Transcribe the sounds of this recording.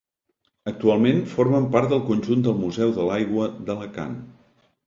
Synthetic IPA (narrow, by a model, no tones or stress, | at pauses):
ək̚t̪ualˠmenfoɾməmpaɾt̪d̪əlˠkunʲʒund̪əlˠmuzɛwðəlajɣwəðələka̰n